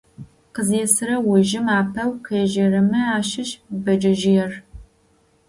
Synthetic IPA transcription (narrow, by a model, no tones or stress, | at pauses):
qəzeːsɨɾɐwʊʒɪmaːpʰɐwqʰeːʒɐrɐmɐaːʃɪɕʼbɐd͡ʒɪʒɪjɛr